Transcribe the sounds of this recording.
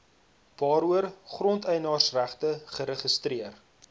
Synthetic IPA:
v̥ɑːɾuərχrɔntɛjnɑːrsræχtəχəɾəχəstriər

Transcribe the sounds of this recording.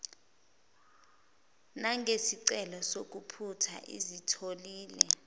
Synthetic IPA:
naŋʱesiǀɛlɔsok̬ʼupʰutʰa̰ʔḭzitʰoliːlɛ

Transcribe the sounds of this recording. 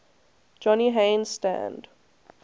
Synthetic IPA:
d͡ʒɔniɦẽnstæ̰̃nd

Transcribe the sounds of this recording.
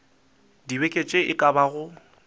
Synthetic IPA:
dibekʼet͡ʃʼeʔɪkʼabaɣʊ

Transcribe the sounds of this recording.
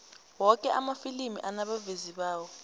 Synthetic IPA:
wɔkʼɛʔamafilimḭʔanaɓaveziɓaːwɔ

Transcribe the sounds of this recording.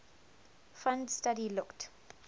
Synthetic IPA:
fãndstadilʊkt

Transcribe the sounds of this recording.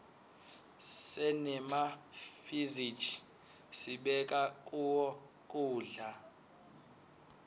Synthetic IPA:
sɛnɛmafizit͡ʃʰʼ | siɓɛk̬ʼakʼuwɔ | kʼuːɮa

